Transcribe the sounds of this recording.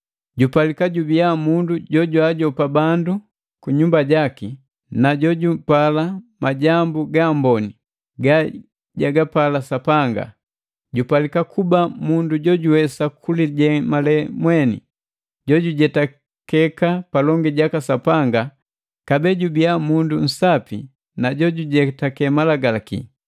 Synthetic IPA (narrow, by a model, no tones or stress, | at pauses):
ɟupalikaɟubiamunduɟɔɟwaɟɔpabandu | kuɲumbaɟaki | naɟɔɟupalamaɟambuɡambɔni | ɡa | ɟaɡapalasapaŋɡa̰ | ɟupalikakubamunduɟɔɟuwɛsakuliɟɛmalɛmwɛnḭ | ɟɔɟuɟɛta | kɛkapalɔŋɡiɟakasapaŋɡa | kabɛɟubiamundun̩sapḭ | naɟɔɟuɟɛtakɛmalaɡalakḭ